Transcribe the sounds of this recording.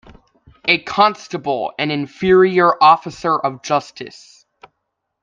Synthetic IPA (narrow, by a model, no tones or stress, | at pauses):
ɨkʰɑ̃nstəbl̩ˠɨ̃nɨ̃nfɪɹiə˞ʔɔfəsə˞ʔʌvd͡ʒʌstɨ̰s